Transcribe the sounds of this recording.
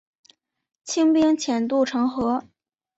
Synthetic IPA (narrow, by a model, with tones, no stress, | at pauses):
t͡ɕʰi˥ŋpi˥ŋt͡ɕʰjɛ˨˩nt̪u˥˩ʈ͡ʂʰɤ˧˥ŋxɤ˧˥